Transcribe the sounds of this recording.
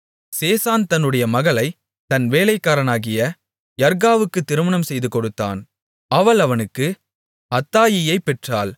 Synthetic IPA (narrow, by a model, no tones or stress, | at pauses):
seːsaːnt̪ɐnːɯɽɐjɐmɐɣɐlɐɪ | t̪ɐnʋeːlɐɪkːaːɾɐnaːɣɪjɐ | jɐɾɣaːʋɯkːɯt̪ːɪɾɯmɐɳɐmsɛjðɯkɔɽɯt̪ːa̰ːn | ɐʋɐɭɐʋɐnɯkːɯ | ɐt̪ːaːjɪjɐɪpːɛʈraːl